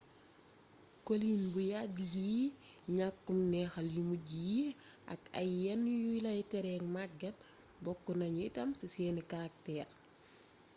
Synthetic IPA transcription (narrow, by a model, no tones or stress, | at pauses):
koliːnbujaɡiɲakːumnɛxɐljumuɟijiʔɐ̰kɐ̰jɛnujujlɐɛtɛɾɛŋmaɡɐt̚ | bɔkːɔnɐɲːtɐmsisɛːnikɐɾak̚tɛːr